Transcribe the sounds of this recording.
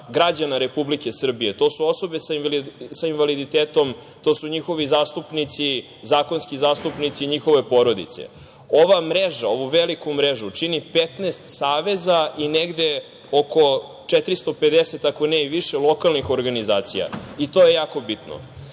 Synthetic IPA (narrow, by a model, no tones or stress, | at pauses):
ɡɾad͡ʑanaɾe̞publike̞sr̩bijet̪o̞ːsuo̞sobesasainvalid̪it̪eːt̪o̞m | t̪osuɲixo̞ʋizaːst̪upnit̪si | zaːko̞nskizaːst̪upnit̪siɲixo̞ʋe̞po̞ɾo̞d̪ḭt̪sḛ | oʋamɾeʒao̞ʋuʋelikumɾeʒut͡ʂinipet̪nest̪saːʋe̞zaineɡd̪e̞ | oko̞ | t͡ʃet̪ɾist̪o̞pe̞d̪ese̞t̪akoneiʋiʃelˠo̞kalˠnixo̞ɾɡanizaːt̪sḭja̰it̪oje̞jaːko̞bit̪no̰